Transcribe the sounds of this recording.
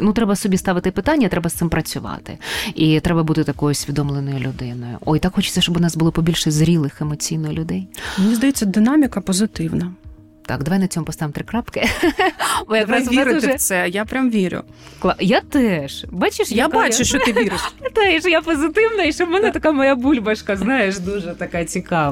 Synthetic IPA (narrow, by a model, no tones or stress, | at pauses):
nut̪ɾɛbɐsɔbʲist̪ɑʋɪt̪ɪpɪt̪anʲːɐt̪ɾɛbɐst̪ɪmpɾɐt͡sʲʊʋɑ̰t̪ɪ̰it̪ɾɛbɐbut̪ɪt̪ɐkɔjʊsʲʋʲid̪ɔmlˠenɔjʊlʲʊd̪ɪnɔjʊ̰ʔɔjt̪akxɔt͡ʃɪ̥t͡sʲsʲɐʃt͡ʃɔbʊnɑsbʊlˠɔpɔbʲilʲʃɛzɾʲilˠɪxemɔt͡sʲijnɔjʊlʲʊd̪ɛjmennʲizd̪ɐjɛt͡sʲːɐd̪ɪnamʲɪkɐpɔzɪt̪ɪwnɐ | t̪ɑ̰kd̪ɐʋajnɐt͡sʲɔmʊpɔst̪ɑʋɪmt̪ɾɪkɾapkɪ | bɔjɐkɾasɪɛsɛjapɾʲamʋʲiɾʲʊ̰ | klˠajat̪ɛʃbɑt͡ʃɪʃjabɑt͡ʃʊʃt͡ʃɔɪʋʲiɾɪʃt̪ɛʃjapɔzɪt̪ɪwnɐiʃt͡ʃɔbmɛnɛt̪ɐkamɔjabulʲbɐʃkɐznɑjeʃd̪uʒɛt̪ɐkat͡sʲikɑʋ